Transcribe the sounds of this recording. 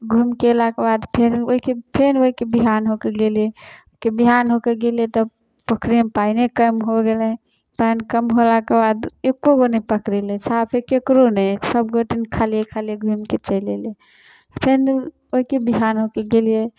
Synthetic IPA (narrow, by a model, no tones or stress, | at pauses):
ɡʱumkelakebad̪pʰenoɦikepʰenoɦikebiɦanɦokeɡelieoikebiɦanɦokeɡelijet̪ɔ | pəkɾiẽpainekəmɦoɡelɛ | painkəmɦolakebad̪ekːoɡonepəkɾelesapʰekekɾonɛsəbɡoʈinkʰalijekʰaljeɡʱumket͡ʃəlele | pʰen | oɦikebiɦanɦokeɡelije